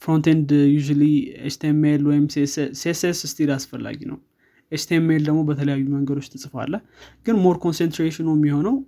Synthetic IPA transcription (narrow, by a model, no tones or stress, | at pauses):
fɾont̪end̪juʒuliest̪ʰemːelwɔjɪmsessesesɨst̪ʰilasfəlːa̰ɡinə̰w | ʔest̪ʰemːeld̪əɡmo̞bət̪ʰələjajːuməŋɡəd̪o̞t͡ʃːt̪ʰɨsʼɨfa̰lːəh | ɡ̥ɨnmoɾkʰo̞nsent̪ɾeʃɪnomːiho̞nəw